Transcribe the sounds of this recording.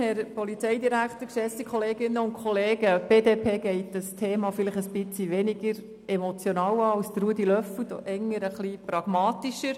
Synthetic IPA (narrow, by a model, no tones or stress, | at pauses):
hɛɾpɔlit͡sɛɪd̪iɾækχt̪əkʃɛsikʰχɔleːɡɪnːəʊnkʰχɔleːɡ̥əb̥eːdepʰeːɡ̥ɛɪtəstʰeːmɑfɪləχəsb̥ɪt͡siʋɛnɪɡəɾ | ɛmot͡sjonɑːwɑːɑwst̪əɾuədilœfwəd̥̪ɔ̰ʔɛŋːəɾəχlipɾɑɡ̥mɑːt̪iʃəɾ